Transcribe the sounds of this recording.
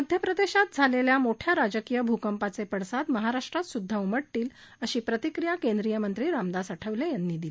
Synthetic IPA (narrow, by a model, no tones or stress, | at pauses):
məd̪ʱjəpɾəd̪eɕat̪̚d͡zʱaleljamoʈʰjaɾad͡zəkiːjəbʱukəmpat͡sepəɽsad̪məɦaɾaʂʈɾat̪sud̪ʱːauməʈʈiːl | əɕiːpɾət̪ikɾijakend̪ɾijəmənt̪ɾiːɾamd̪asəʈʰəʋlejanːiːd̪ile